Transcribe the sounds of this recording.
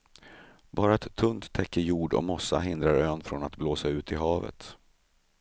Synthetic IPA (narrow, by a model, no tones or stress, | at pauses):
bɑːɾaɛt̪ʰːɵnt̪ʰːɛkːəɾjuːɖɔ̰mɔsːa̰ɦɪnd̪ɾaɾøːnfɾɔnat̪bloːsaʉ̟ːt̪ʰɪɦɑːvə̰t̪